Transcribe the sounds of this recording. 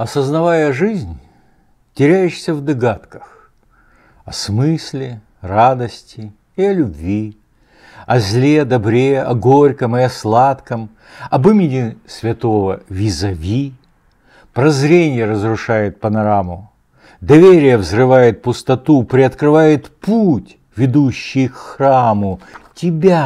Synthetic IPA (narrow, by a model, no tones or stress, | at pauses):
ɐsəznɐvajəʐɨzʲnʲ | tʲɪɾʲæjɪʂsʲəvd̪ɐɡat̪kə̥x | ɐsmɨsʲlʲɪ | rad̪əsʲtʲɪ | ɪɐlʲʊbvʲi | ɐzʲlʲed̪ɐbɾʲeɐɡoɾʲkəmɪɐslˠat̪kəm | ɐbɨmʲɪdʲɪsvʲɪt̪o̞vəvʲɪzɐvʲi | pɾɐzɾʲenʲɪjəɾəzrʊʂajɪt̪̚pənɐɾamʊ | d̪ɐvʲeɾʲɪjəvzrɨvajɪt̪̚pʊst̪ɐt̪upɾʲɪɐt̪kɾɨvajɪt̪putʲ | vʲɪd̪uɕːɪjkːramʊtʲɪbʲa